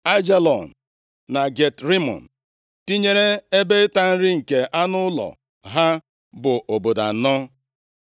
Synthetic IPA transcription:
a˦d͡ʒe˦lɔ˨n̩˨ | na˨ɡe˨tɾi˦mɔ̰˨n̩˨ | ti˦ɲe˦ɾe˦e˦be˦ɪ˦ta˦n̩˦ɾɪ˦ŋ̩˨ke˨ʔa˦nʊ˦lɔ̰˨ | ɦa˦ | bʊ˨ʔo˨bo˨da̰˨nɔ˦

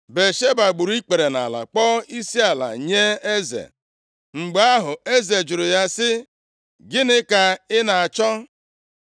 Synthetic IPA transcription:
be˨ʃe˦ba˨ɡ͡bu˨ɾu˦i˦k͡pe˨ɾe˨na̰˨la̰˨k͡pɔ˦i˦si˦a˨la̰˨ɲe˦e˦zḛ˨ | ŋ͡m̩˨ɡ͡ba˦ɦʊ˨e˦ze˨d͡ʒʊ˨ɾʊ˨ja˦sɪ˦ | ɡɪ˦nɪ˦ka˦ɪ˦na˨a˨t͡ʃɔ˦

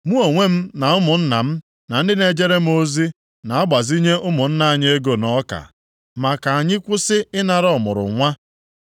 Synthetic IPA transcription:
mu˦o˨ŋʷe˦m̩˦na˨ʊ˦mʊ˨n̩˦na̰˨m̩˦ | na˨n̩˦dɪ˦ne˨d͡ʒe˦ɾe˦m̩˦o˦zi˦ | na˨a˦ɡ͡ba˨zi˦ɲe˦ʔʊ˦mʊ˨n̩˦na˦a˨ɲ˦e˦ɡo˦nɔ˦ka̰˨ | ma˨ka˨a˨ɲɪ˦kʷʊ˦sɪ˦ɪ˦na˨ɾɔ˦mʊ̰˨ɾʊ̰˨ŋʷa˦

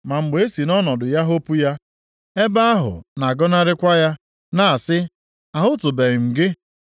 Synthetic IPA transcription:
ma˨ŋ͡m̩˨ɡ͡be˨e˦si˨nɔ˦nɔ˨dʊ˨ja˦ɦo˦pu˦ja˦ | e˦ba˦a˦ɦʊ̰˨na˨ɡɔ˦na˦ɾɪ˦kʷa˦ja˦ | na˦˨a˨sɪ˦ | a˨ɦʊ˦tʊ˨be˨ɣɪ˨m̩˨ɡɪ˦

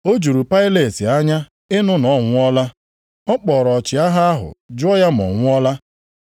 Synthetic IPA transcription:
o˦d͡ʒu˨ɾu˨pa˦ɪ˦le˨ti˨a˦ɲa˦ | ɪ˦nʊ˦nɔ˨˦ŋʷʊ˦ɔ˦la˦ | ɔ˦k͡pɔ˨ɾɔ˨t͡ʃɪ˨a˦ɦa˦a˦ɦʊ̰˨d͡ʒʊ˦ɔ˦ja˦m̩˨ɔ̰˨ŋʷʊ˦ɔ˦la˦

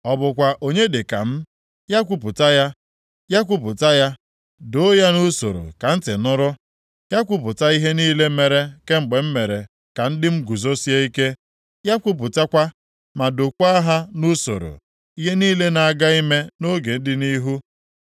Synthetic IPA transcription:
ɔ˨bʊ˨kʷa˨ʔo˨ɲe˦de˨ka̰˨m̩˦ | ja˦kʷu˦pʊ˨ta˦ja˦ | ja˦kʷu˦p̬ʊ˨ta˦ja˦ | do˦ja˦nu˦so̰˨ɾo̰˨ka˨n̩˦tɪ˨nʊ˦ɾʊ˦ | ja˦kʷu˦p̬ʊ˨ta˦i˦ɦe˦niː˦le˦me˨ɾe˨ke˦ŋ͡m̩˨ɡ͡be˨m̩˦me˨ɾe˨ | ka˨n̩˦dɪ˦m̩˦ɡu˨zo˦si˦e˦i˦ke˦ | ja˦kʷu˦p̬ʊ˨ta˦kʷa˦ | ma˨do˨kʷa˦ɦa˦nu˦so̰˨ɾo̰˨ | i˦ɦe˦niː˦le˦na˨a˨ɡa˦i˦me˦no˦ɡe˨n̩˦dɪ˦ni˦ɦu˦

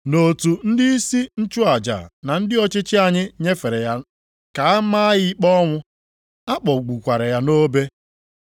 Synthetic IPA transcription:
no˨tu˨n̩˦dɪ˦i˦si˦n̩˦t͡ʃʊ˦a˨d͡ʒa̰˨na˨n̩˦dɪ˦ɔ˦˨t͡ʃɪ˦t͡ʃɪ˦a˨ɲɪ˦ɲe˦fe˨ɾe˨ja˦ | ka˨a˦ma˦ɣɪ˦k͡pɔ˦ŋʷʊ˦ | a˦k͡pɔ˨ɡ͡bu˨kʷa˨ɾɪ˨ja˦no˦be˦

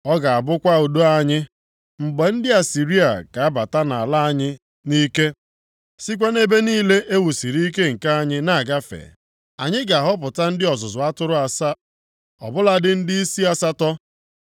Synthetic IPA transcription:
ɔ˦ɡa˨a˨bʊ˦kʷa˦u˨du˦a˦ɲɪ˦ | ŋ͡m̩˨ɡ͡be˨n̩˦dɪ˦a˨si˨ɾi˦a̰˨ka˨a˦ba˨ta˦na̰˨la˦a˦ɲɪ˦ | ni˦ke˦ | si˦k̬ʷa˦ne˦be˦niː˦le˦ʔe˦wu˨si˨ɾi˦i˦ke˦ŋ̩˨ka˦a˦ɲɪ˦na˨a˨ɡa˦fḛ˨ | a˨ɲɪ˦ɡa˨ɦɔ˦p̬ʊ˨ta˦n̩˦dɪ˦ɔ˨zʊ˨zʊ˨a˦tʊ˦ɾʊ˦a˨sa˦ | ɔ̰˨bʊ˦la˦dɪ˦n̩˦dɪ˦i˦si˦a˦sa˦tɔ˦

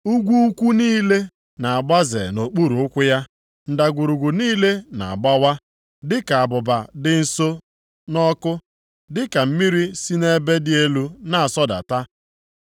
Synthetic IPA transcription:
u˦ɡʷu˦u˦kʷu˦niː˦le˦ | na˨a˨ɡ͡ba˦zḛ˨no˨k͡pu˦ɾu˨ʊ˦kʷʊ˦ja˦ | n̩˨da˨ɡʷu˨ɾu˨ɡʷu˨niː˦le˦na̰˨a˨ɡ͡ba˦wa˦ | dɪ˦ka˨a˨bʊ˨ba˨dɪ˦n̩˨˦so˦ | nɔ˦kʊ˦ | dɪ˦ka˨m̩˦mi˦ɾi˦si˦ne˦be˦dɪ˦e˦lu˦na˦a˨sɔ˦da̰˨ta˦

